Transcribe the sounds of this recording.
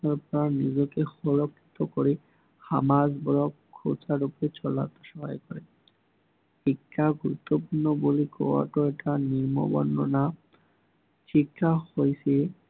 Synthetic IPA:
aɾpɔɾanid͡ʑokexɔɾokʰːi̥t̪okoɾe | hamad͡ʑbɔɾɔkkʰːo̰t͡ɕaɾupoɾet͡ɕɔlːa̰t̪ːḁʃɔɦɔjkɔɾe | ekʈaɡuɾut̪ːopuɾnoboliko̰a̰ʈoeʈaniɾmo̰bɔ̰nːona | t͡ɕikːahojt͡ɕʰe

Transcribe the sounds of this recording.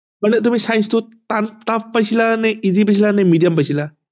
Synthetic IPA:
məɳət̪um̤ĩːsãj̃st̪ot̪ant̪apəsʰilanɛizip̬əsʰilanɛ̃miɖijəmpəsila

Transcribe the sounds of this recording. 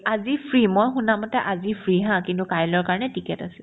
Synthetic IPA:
azipʰɹimɔjxunamɔtɛʔazipʰɹiɦãkintukajlɔɹkaɹɔnɛtikɛtasɛl

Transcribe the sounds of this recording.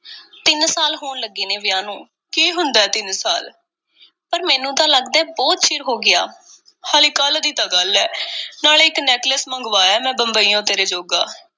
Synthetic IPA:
t̪ɪnsaːlɦoːɳləɡeːneːʋɪjãːnũː | kiːɦʊnd̪aːɛːt̪ɪnsa̰ːl | pəɾmɛːnũːt̪ãːləɡd̪ɛ̃ːbɔːt̪t͡ʃʰɪɾɦoːɡɪa̰ː | haːliːkəld̪iːt̪ãːɡəlɛːnaːleːɪknɛːʈləsməŋɡʋaːɛːmɛ̃ːbəmbəiːãːt̪eːɾeːd͡ʒoːɡaː

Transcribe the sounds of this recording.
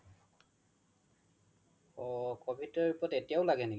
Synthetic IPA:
ɔkɔbitɔupɔtetijaʊlaɡɛnil

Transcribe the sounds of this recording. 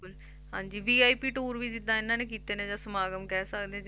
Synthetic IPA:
kl | ɦã̰ːɲd͡ʒiːʋiːaːiːpiːʈoːɾʋiːd͡ʒɪd̪ãːɪnãːneːkiːt̪eːneːd͡ʒãːsəmaːɡəmkɛːsəkd̪ẽː

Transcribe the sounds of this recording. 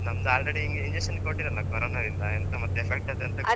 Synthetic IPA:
nɐmd̪aːlɾeɽiiŋɡeiɲd͡ʒekʂɐnkoʈːiɾɐnːɐkɐɾoːnaɾind̪ɐent̪ɐmɐt̪ːuepʰek̚ʈad̪eɐnt̪ɐ

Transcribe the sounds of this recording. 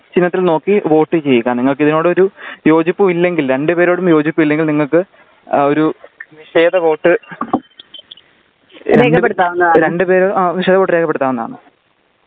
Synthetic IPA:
t͡ɕinːɐt̪ːilno̞ːkːiʋo̞ːʈːɨt͡ɕe̞jːikʲːaːniŋːɐɭkɨiðino̞ːɽɨo̞ɾujo̞ːd͡ʑipːumilːe̞ŋɡilɾe̞ɳɖɨpe̞ːɾo̞ːɽumjo̞ːd͡ʑipːumilːe̞ŋɡilniŋːɐɭkɨ | o̞ɾuniʂe̞ːd̪ɐʋo̞ːʈːɨ | ɾeːkɳkɐɖpːeɽut̪ːaːʋnːɐɾeɳɖɨpe̞ːɾoːaːʋiʂe̞ːd̪ɐʋo̞ːʈːɨɾe̞ːkʰːɐpːeɽut̪ːaːʋɐnːɐða̰ːɳɨ̰

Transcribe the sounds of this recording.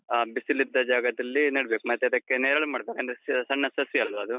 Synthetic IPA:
aːbisilid̪ːɐd͡ʒaːɡɐd̪ɐlːinɐɽbeːkumɐt̪ːɐd̪ɐkːeneːɾɐɭumaːɽbekɐːnd̪ɾessɐnːɐsɐsiɐlʋɐɐd̪u

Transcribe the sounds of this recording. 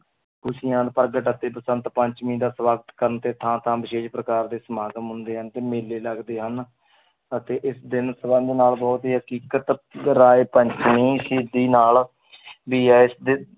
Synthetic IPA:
kʊsĩːãːd̪pəɾɡəʈət̪ːeːpəsə̃nd̪pəɲt͡ʃmĩːd̪aːswaːɡət̪kəɾənt̪eːt̪ʰãːt̪ʰãːbɪʃeːʃpɾəkaːɾd̪eːsəmaːɡəmɦʊ̃nd̪eːɦənt̪eːmeːleːləɡd̪eːɦən | ət̪eːʔɪsd̪ɪnsəbə̃nd̪naːlbɔːt̪ɦiːɦəkiːkət̪ɾaːeːpəɲt͡ʃmĩːsiːd̪iːnaːl | biːɛːɪsd̪

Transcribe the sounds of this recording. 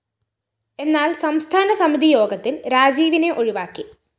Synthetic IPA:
e̞nːaːlsɐmst̪ʰaːnɐsɐmid̪ʱijo̞ːɡɐt̪ːilɾaːd͡ʑiːʋine̞ʔo̞ɻiʋaːkːi

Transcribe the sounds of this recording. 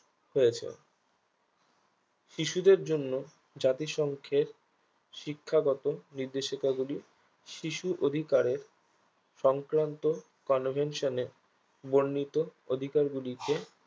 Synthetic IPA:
hojet͡ɕʰḛ | ʃiʃud̪eɾd͡ʑonːo | d͡ʑat̪iʃɔŋkʰeɾ | ʃikʰːaɡɔt̪oniɾd̪eʃikaɡuli | ʃiʃuʔod̪ʱikaɾeɾ | ʃɔŋkɾant̪o | kɔnvʱenʃoneɾ | boɾːit̪ood̪ʱikaɾɡulike

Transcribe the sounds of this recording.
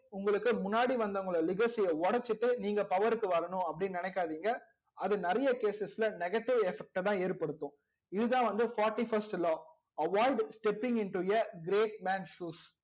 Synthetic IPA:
ʊŋɡɐɭɯkːɯmʊnːaːɽiʋɐnd̪ɐʊŋɡɐɭɐlɪɣɐsɛjɐɔɽɐt͡ʃːɯʈːɯniːŋɡɐpɐʋɐɾɯkːɯʋɐɾɐnʊ̃ɐpːɐɽɪnnɪnɛkːaːðiːŋɡɐ | ɐðɯnɐɾɐjɐkeːsɛsɪlɐnɛɣɐʈːɪʋɛfɛk̚ʈɐt̪ãːeːɾpɐɽɯt̪ːʊ̃ | ɪðɯt̪ãːʋɐnd̪ɯfaːɾʈifɐɾsʈlɔː | ɐʋaːɪɖsʈɛpːɪ̃ŋɡɪnʈujɐɡɾeːʈ̚maːnʃuːs

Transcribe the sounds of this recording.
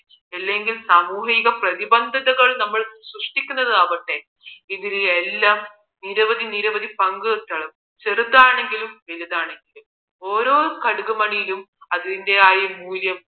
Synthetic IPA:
elːe̞ŋɡilsɐmuːɦiɣɐprɐðibɐnd̪ʱɐðɐɣɐɭnɐmːɐɭsruʂʈikʲːunːɐðɨɐʋɐʈːe̞ | iðilelːaːm | niɾɐʋɐd̪ʱiniɾɐʋɐd̪ipɐŋɡɨt̪ːɐɭɐm | t͡ɕerut̪ːaːɳe̞ŋɡilumʋeliðaːɳe̞ŋɡilum | o̞ːɾoːɾukɐɽuɣumɐɳijilum | ɐðinde̞aːjjɐmuːljɐm

